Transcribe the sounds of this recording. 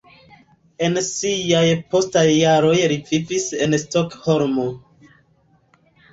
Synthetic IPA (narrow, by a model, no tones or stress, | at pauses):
e̞nsijajpo̞stajːaɾo̞jɾivifise̞nstokhoɾmo